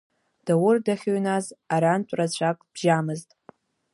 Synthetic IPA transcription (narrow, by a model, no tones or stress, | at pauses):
d̥awʊrdaχʲoɥnazaɾant͡ʃʷʼrat͡ɕʷʰakʼb̥ʒamɨztʼ